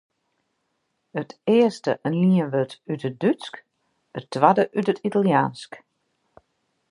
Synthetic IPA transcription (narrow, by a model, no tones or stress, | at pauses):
ətɪəstəʔənliəʋøtytədysk | ətʋadəʔytətʰitalˠjaːnsk